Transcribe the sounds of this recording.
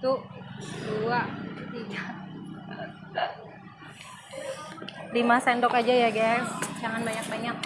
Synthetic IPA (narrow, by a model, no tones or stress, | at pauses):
t̪uduat̪iɡa | limasɛnt̪ɔkad͡ʒajaɡasd͡ʒaŋanbaɲak̚baɲak̚